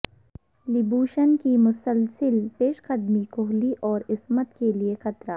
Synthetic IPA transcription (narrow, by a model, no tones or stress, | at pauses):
lɪbuːʃənkimʊsəlsɪlpeːʃqɐd̪mikʊɦliʔɔːɾɪsmət̪keliexɐt̪ɾaː